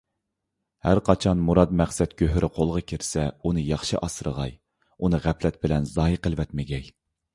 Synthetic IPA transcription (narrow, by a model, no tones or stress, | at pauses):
hæɾqʰɑt͡ʃʰɑnmuɾɑd̪mɛχsɛt̪kʲʰøɦɾʔɪqʰolˠʁɑkʲʰiɾsɛunɨjɑχʃɨʔɑsɨɾə̰ʁɑj | unɨʁæpʰlɛt̪̚bɪlɛnzɑːjiqʰəlˠwɛt̪mɪɡʲɛj